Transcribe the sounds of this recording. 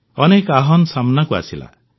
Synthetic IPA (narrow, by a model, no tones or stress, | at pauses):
ɔnekaɦɔnsamnakua̰sila̰